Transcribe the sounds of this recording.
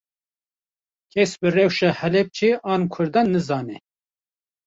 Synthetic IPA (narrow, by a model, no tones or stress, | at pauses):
kʰɛsbɨrɛwʃɛhɛlɛp̚t͡ʃʰeːʔɑːnkʰʊɾd̪ɑːnːɨzɑːnɛ